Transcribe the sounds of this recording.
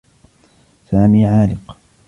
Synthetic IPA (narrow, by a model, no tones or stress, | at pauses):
saːmiːʕaːlɪq